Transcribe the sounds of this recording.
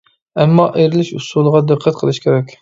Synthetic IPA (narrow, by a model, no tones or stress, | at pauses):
ɛmːɑʔeɾɪlɪʃusulˠəʁɑd̪əqʰːæt̪̚qʰəlˠɨʃkʲʰeɾɛkʲ